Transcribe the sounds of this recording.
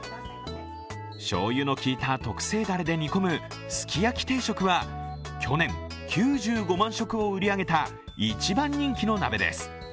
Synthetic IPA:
ɕo̞̰ːjɯno̞kʲiːt̪at̪o̞kɯ̟̥se̞ːd̪aɾed̪e̞ɲ̟ʲiko̞mɯ̟ | sɨ̥kʲijakʲi̥t̪e̞ːɕo̞kɯ̟βa | kʲʰo̞nẽ̞ŋ | kʲʰɨːʑɨːɡo̞mãɰ̃ɕo̞kɯ̟o̞ɯ̟ɾʲiaɡe̞t̪a | it͡ɕibãɲːĩŋkʲino̞nabe̞d̪e̞̰sɨ̥

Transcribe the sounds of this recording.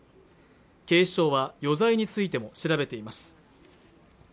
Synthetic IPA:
ke̞ːɕo̞ːβajo̞zaiɲ̟it͡sɨit̪e̞mo̞ɕiɾabe̞t̪e̞imasɨ̥

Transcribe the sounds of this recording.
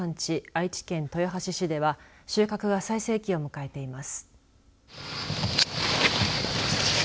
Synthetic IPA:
ãɲ̟t͡ɕiait͡ɕi̥kẽ̞nt̪o̞joɦaɕiɕid̪e̞βaɕɨːkakɯ̟ɡasaise̞ːkʲio̞mɯ̟kae̞t̪e̞imasɨ̥

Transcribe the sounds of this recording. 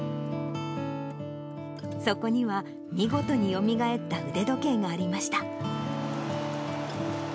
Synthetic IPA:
so̞ko̞ɲ̟iβa | mʲiɡo̞t̪o̞ɲ̟ijo̞mʲiɡae̞t̪ːaɯ̟d̪e̞d̪o̞ke̞ːŋɡaːɾʲimaɕi̥t̪a

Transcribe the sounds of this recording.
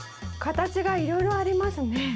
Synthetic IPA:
kat̪at͡ɕiɡaiɾo̞iɾo̞aɾʲimasɨne̞

